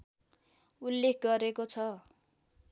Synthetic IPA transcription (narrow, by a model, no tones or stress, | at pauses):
ulːekʰɡʌɾekot͡sʰʌ